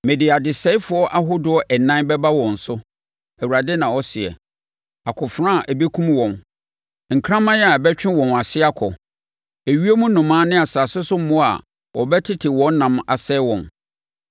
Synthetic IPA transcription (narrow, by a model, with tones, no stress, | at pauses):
mɪ̃˨dɪ˨a˨dɪ˨sɛ˦ɪ˦fʊ˨˦ɔ˦ʔa˦ɦʊ˦dʊ˦ɔ˨ʔɛ˨nã˦bɛ˦ba˦wɔ̃˨n̩˨sʊ˦ | æ˨wu˨ɾa˨dɛ˦nã˨ɔ˦sɪ˨ɛ̰˨ | a˨kʰʊ˨fɾã˦a˨ʔbe˦kʰũ˦mwɔ̃˨n | ŋ̩˨kʰɾã˦mã˦jɛ˦a˨bɛ˦t͡ɕᶣɪ̃˦wɔ̃˨na˨sɪ˦a˦kʰɔ˨ | e˨ɥi˦e˦mũ˦nʊ̃˨mãː˦nɪ̃˦a˨sa˨sɪ˦sʊ˦mʊ̃˦a̰˨ | wɔ˨bɛ˦tʰɪ˦tʰɪ˨wɔ̃˦n˦nã˨ma̰˨sɛ˦wɔ̃˨n